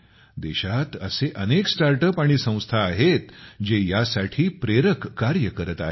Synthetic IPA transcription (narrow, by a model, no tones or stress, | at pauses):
d̪eɕat̪əseʔəneksʈaɾʈəpaɽ̃isə̃w̃st̪ʰaːɦet̪d͡ʑejasaʈʰiːpɾeɾəkːaɾjəkəɾət̪a̰ɦe